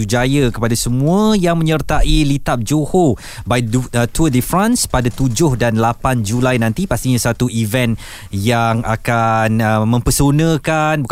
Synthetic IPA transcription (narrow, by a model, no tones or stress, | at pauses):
ud͡ʒajəkəpadasəmũəjaŋmə̃ɲərt̪aʔilit̪ap̚d͡ʒoho | bajət̪uədəfɾãnspadat̪ud͡ʒʊhdanlapand͡ʒulajnãnt̪ipast̪iɲãsat̪uivɛn | jaŋʔa̰kanəmə̃mpəsonə̃kanbuk